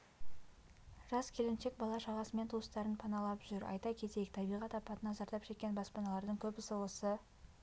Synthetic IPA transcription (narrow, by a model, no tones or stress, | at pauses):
ʒ̥ɑskʲʰe̞lɪmʃe̞k̚bɑlˠɑʃɑʁɑsəme̞nt̪ʰuəst̪ɑɾənpʰɑnɑlˠɑpʒʏɾɑ̰jt̪ɑkʲʰe̞t̪ekt̪ʰɑbijʁɑt̪ɑpːɑt̪ənɑzɑɾt̪ɑpʃe̞kʲːe̞nbɑspɑnɑlˠɑɾd̪əɴkʲʰɵbɪsolˠəsə